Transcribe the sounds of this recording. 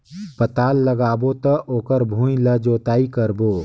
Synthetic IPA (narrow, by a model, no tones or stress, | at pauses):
pət̪aːlːəɡaːbot̪əʔoːkəɾbʱũjləd͡ʒoːt̪aːikəɾboː